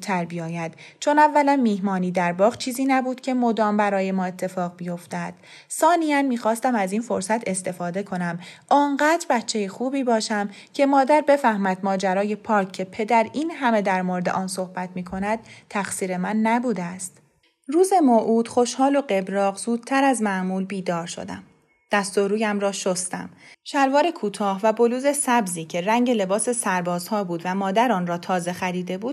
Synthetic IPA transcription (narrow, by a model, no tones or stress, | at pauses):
t̪ʰːæɾbijɒːjæd̪̥t͡ʃʰo̞nævːælænmiːhmɒːniːd̪æɾbɒːʁt͡ʃʰiːziːnæbuːd̪̥cʲʰe̞mod̪ɒːmbæɾɒːje̞mɒːe̞t̪ʰːe̞fɒːɣbijo̞ft̪æd̪̥ | sɒːnijænmiːxɒːst̪æmæziːnfo̞ɾsæt̪ʰe̞st̪e̞fɒːd̪e̞kʰo̞næmʔɒŋɢæːd̪̥ɾbæt̪t͡ʃʰːe̞jexuːbiːbɒːʃæm | cʰe̞mɒːd̪æɾbe̞fæhmæd̪mɒːd͡ʒæɾɒːje̞pʰɒːɾkʰːe̞pʰe̞d̪æɾiːnɦæme̞d̪æɾmoɾed̪e̞̰ʔɒːnso̞hbæt̪ʰmiːkʰo̞næd̪̥̚t̪ʰːæxsiːɾe̞mænːæbuːd̪æst̪ | ruːze̞moːʔuːd̪̥χo̞ʃhɒːlo̞ɢe̞bɾɒːɣzuːd̪̥̚t̪ʰæɾæzmæʔmuːlbiːd̪ɒːɾʃo̞̰d̪æ̰m | d̪̥æst̪o̞ɾuːjæmɾɒːʃost̪æ̰mʃælvɒːɾe̞kʰuːt̪ʰɒːhvæbo̞luːze̞sæbziːcʰe̞ræŋɟe̞le̞bɒːse̞sæɾbɒːzhɒːbuːd̪væmɒːd̪æɾɒːnrɒːt̪ʰɒːze̞xæɾiːd̪e̞buːd̪̥̚